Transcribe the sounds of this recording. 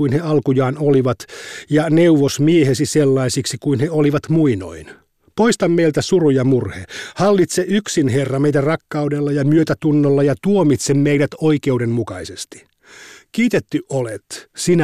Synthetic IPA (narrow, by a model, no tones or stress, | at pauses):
uinheɑlkujɑːnoliʋɑt̪jɑne̞uʋosmiehesiselːɑisiksikuinheoliʋɑt̪muino̰in | po̞ist̪ɑmmejlt̪æsurujɑmurhehɑlːit̪seʔyksinɦe̞rːɑmejt̪ærɑkːɑudelːɑjɑmyøt̪æt̪unːolːɑjɑt̪uomit̪semmejdæt̪o̞ike̞udemmukɑisest̪i̥ | kiːt̪et̪ːyʔʔolet̪sinæ